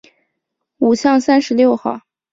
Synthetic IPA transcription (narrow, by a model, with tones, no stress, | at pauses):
u˨˩ɕjɑ˥˩ŋsa˥nʂɻ̩˧˥ljo˥˧ʊxɑ˥˩ʊ